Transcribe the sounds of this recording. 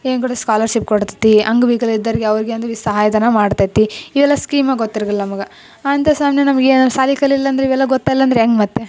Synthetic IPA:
eːŋɡɐɽɐskaːlɐɾʃip̚koɽt̪i̥t̪iɐŋɡʋiːɡɐlid̪ːɐɾiɡeɐʋɐɾiɡeɐnuʋisɐɦaːjɐd̪ɐnɐmaːɖt̪ajt̪ːiiʋɛlːɐskiːmɐɡot̪ːiɾɐɡɐlːɐnɐmɐɡɐ | ant̪ɐsaːmnjɐnɐmɐɡenɐmsaːlikɐlilːɐːnd̪ɾeiʋɛlːɐɡɔt̪ːaːjilːɐnd̪ɾeeŋɡmɐt̪ːe

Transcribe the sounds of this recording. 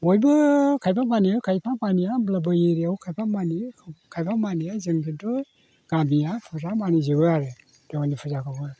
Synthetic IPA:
ojbɯkʰajpamaniɯkʰajpʰamanijablabɯjiɾiawkʰajpʰamanikʰkʰajpʰamanijazɯŋpʰidɔj | ɡ̥amijapʰɯzamanizɯbɯaɾɯ | d̥awanipʰɯzakʰabɯ

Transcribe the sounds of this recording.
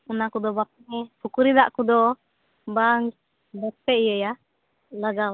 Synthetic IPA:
unakud̪ɔbap̚ŋɛpukuɾid̪aʔkud̪ɔ | baŋ | bɛpɛijəja | laɡa

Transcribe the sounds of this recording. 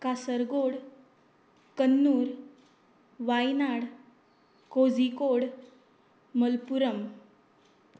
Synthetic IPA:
kasəɾɡoɽ | kənːuːɾ | ʋajnaɽ | kod͡zikoɽ | məlpuɾəm

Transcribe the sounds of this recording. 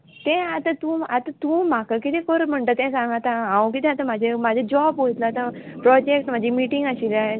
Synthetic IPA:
t̪ɛ̃at̪ãt̪ũːat̪at̪ũːm̤akakit̪ɛ̃koɾm̤əɳʈ̪ət̪ɛ̃sãŋɡat̪ãɦãwk̬it̪ɛ̃at̪ãmad͡ʑʱemad͡ʑʱed͡ʑɔbɦojt̪laːt̪ãpɾɔd͡ʑek̚ʈm̤ad͡ʑʱimiʈiŋɡaɕileaɦe

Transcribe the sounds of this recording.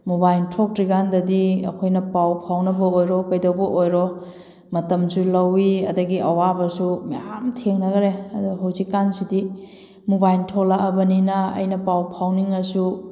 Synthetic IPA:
mubajntʰok̚tɾiɡandɐdiɐ̰kʰojnɐpawpʰawnɐbɐojɾɔkɐjdɐwbɐʔojɾɔ | mɐtɐmsulɐwiɐdɐɡiʔɐwabɐsumɐ̰jamtʰeŋnɐɡɐɾeɐduɦɐwzikːansidi | mubajntʰoklaɐbɐninɐɐ̰jnɐpawpʰawniŋɐsu

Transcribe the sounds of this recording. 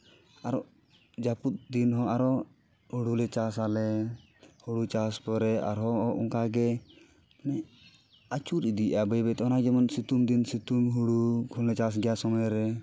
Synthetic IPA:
aɾɔʔ | d͡ʒaput̪̚d̪inɦɔ̃aɾɔ | huɽulɛt͡ʃasalɛ | huɽut͡ʃaspɔɾɛa̰ɾɦɔ̃ʔɔ̰ŋkaɡɛ | nɛ | at͡ʃuɾid̪iʔabəjbɛt̪ɛɔnad͡ʒɛmɔnsit̪umd̪insit̪umɦuɽukʰɔllɛt͡ʃas̬ɡɛjasɔmɔjɾɛ

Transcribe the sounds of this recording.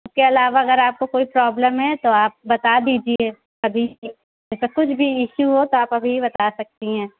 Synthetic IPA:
ʊskeɐlaːʋaɐɣəɾaːp̚kokoːipɾɔːbləmɦɛt̪oaːp̚bɐt̪ad̪iːd͡ʒieː | ɐbʱi | d͡ʒɛːsakʊt͡ʃʰbʱiɪʃuɦot̪oaːpɐbʱiibɐt̪asɐk̚t̪iɦɛ̃ː

